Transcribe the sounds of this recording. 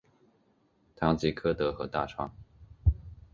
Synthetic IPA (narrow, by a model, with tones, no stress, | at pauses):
t̪ʰɑ˧˥ŋt͡ɕi˧˥kʰɤ˥˩t̪ɤ˧˥xɤ˧˥t̪a̰˥˧˩ʈ͡ʂʰwɑ̰˥ŋ